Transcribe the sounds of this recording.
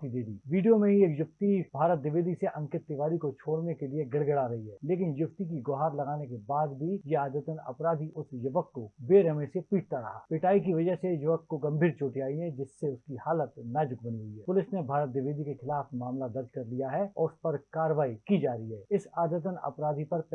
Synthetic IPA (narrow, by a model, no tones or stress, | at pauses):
t̪id̪eːd̪iːʋiːɖijomẽɦieːkjʊft̪ibʱaːɾət̪̚d̪ɪʋeːd̪iseʔɐ̃ŋkɪt̪ːɪʋaːɾikot͡ʃʰoːɽnekelieɡɐɽɡəɽaɾɐɦiɦɛːleːk̬ɪnjʊft̪ikiɡoɦaːɾlɐɡaːnekebaːd̪bʱijeaːd̪ɾət̪ənɐ̰pɾaːd̪ʱiʔʊsjɐʋəkːobeːɾəmẽsepiːʈ̚ʰt̪aɾɐ̰ɦa̰ːpɪʈaːikiʋɐd͡ʒəɦsejɐʋəkːoɡɐ̃mbʱiːɾt͡ʃoːʈiaːiɦɛ̃d͡ʒɪsːeʊskihaːlət̪nad͡ʒʊk̚bɐniɦʊiɦɛːpʊlɪsnebʱaːɾət̪̚d̪ɪʋeːd̪ikexɪlaːfmaːmlad̪ɐɾd͡ʒkɐɾlijaɦɛɔ̰ːɾʊspɐɾkaːɾəʋaːikid͡ʒaːɾəɦiɦɛːɪsaːd̪ɾət̪ənɐ̰pɾaːd̪ʱipɐɾp